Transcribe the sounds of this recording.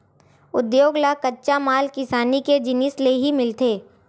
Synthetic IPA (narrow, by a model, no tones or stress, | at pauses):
ʊd̪joːɡlakɐtːʃamaːlkɪsaːniked͡ʒɪnɪsleɦimɪlt̪eː